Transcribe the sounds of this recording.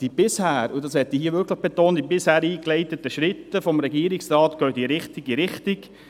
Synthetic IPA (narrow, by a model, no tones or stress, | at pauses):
d̥ib̥ɪshæːɾudɑshɛt̪ːihiəʋʏkləχb̥et̪oːntd̥̪ibɪshæːɾiːklɛɪt̪ət̪əʃɾɪt̪ːəfɔmɾɛɡiəɾɪksrɑːt̪ɡ̥œːtiɾɪχt̪iɡiɾɪχtɪk